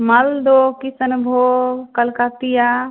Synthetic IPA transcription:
mɐld̪okisənbʱokəlkat̪ija

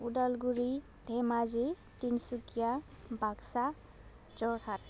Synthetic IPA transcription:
udalɡuɹi | d̪ʱɛmazi | tinsukija | bʱaksa | d͡ʒɔkʰat

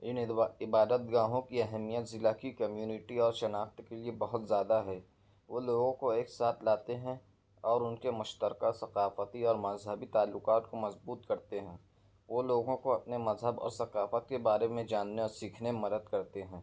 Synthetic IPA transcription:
ɪnɪbaːd̪ət̪̚ɡãːɦõkiɐɦɛmijət̪zɪlakikɐmjuːnɪʈiɔːɾʃɐnaːft̪keliebɐɦʊt̪zjaːd̪aɦɛ | ʋoːloːɡõkoeːksaːt̪ʰlaːt̪eɦɛ̃ | ɔːɾʊnkemʊʃt̪əɾqəsɐqaːfət̪iɔːɾmɐzɦəbit̪aːlːʊqaːt̪komɐzbuːt̪kɐɾt̪eɦɛ̃ː | ʋoːloːɡõkoɐpnemɐzɦəbɔ̰ːɾsɐqaːfət̪̚kebaːɾemẽd͡ʒaːnːeɔːɾsiːkʰnemɐd̪əd̪̚kɐɾt̪eɦɛ̃ː

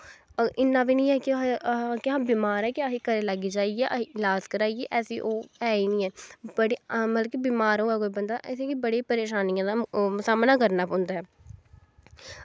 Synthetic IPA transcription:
ʔɪnːãːbiːnĩːɛːkɪkɪãːbiːmaːɾɛːkɪaɦiːkəɾeːlaɡiːd͡ʒaːiɛːʔlaːzkəɾaːieːʔɛːsiːʔoːɛːiːnĩːɛːbəɽiːmət̪ləkiːbiːmaːɾõːɛːkoːiːbənd̪aːʔɛseːkibəɽeːpəɾeːʃaːnijãːd̪aːsaːmnaːkəɾnaːpõːnd̪aːɦɛː

